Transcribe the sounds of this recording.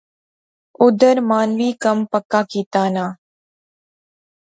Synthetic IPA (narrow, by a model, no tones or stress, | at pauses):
ʊd̪əɾmaːnʋiːkəmpəkːaːkiːt̪aːnaː